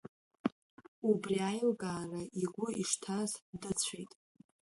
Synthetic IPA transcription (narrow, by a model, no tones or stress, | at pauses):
ubriajlɡʼaːraʔiɡʷʊiʂtʰazdɨt͡sʷʰejtʼ